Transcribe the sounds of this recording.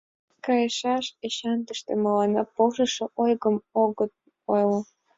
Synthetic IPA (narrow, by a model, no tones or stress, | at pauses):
kɑjeʃɑʃeɕɑnd̪əʃt̪eməlɑnɑpoʒɤ̆ʃĕʔojɣəmoɡət̪̚ | ojl